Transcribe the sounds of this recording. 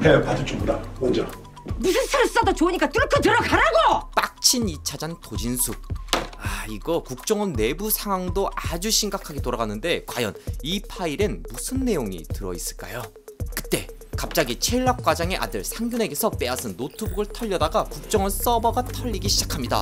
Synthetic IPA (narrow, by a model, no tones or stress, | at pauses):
epadot͡ɕʰoɡudamʌnd͡ʑʌ | musʰɯnsʰɯɾɯs͈ʌdot͡ɕoɲik͈atɯkʰɯtɯɾʌkaɾaɡop͈ak̚t͡ɕʰinit͡ɕʰad͡ʑantod͡ʑinsʰuk̚aiɡʌkuk̚t͡ɕ͈ʌŋɯnːe̞busʰaŋɦwaŋdoʔad͡ʑuɕʰiŋɡakʰaɡitoɾaɡanɯnde̞kwajʌ̰nipʰaiɾenmusʰɯnːe̞joŋḭtɯɾʌ̰is͈ɯ̥ɭk͈a̰jo | kɯ̥t͈e̞ | kap̚t͡ɕ͈aɡit͡ɕʰeɭːak̚k͈wad͡ʑaŋe̞ʔa̰dɯɭsʰaŋɡjune̞ɡe̞sʰʌp͈e̞asʰɯnːotʰubuɡɯɭtʰʌʎːʌdaɡakuk̚t͡ɕ͈ʌŋɯns͈ʌbʌɡatʰʌʎːiɡiɕʰid͡ʑakʰamɲida̰